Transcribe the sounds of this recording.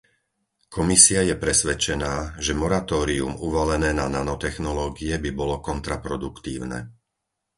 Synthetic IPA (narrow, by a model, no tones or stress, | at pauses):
kʰɔmisiajɛpɾɛsʋɛt͡ʃɛnaːʒɛmɔɾat̪ɔːɾiṵmuʋɔlɛnɛːnananɔt̪ɛxnɔlɔːɡiɛbibɔlɔkɔnt̪ɾapɾɔd̪ukt̪ḭːʊnɛ̰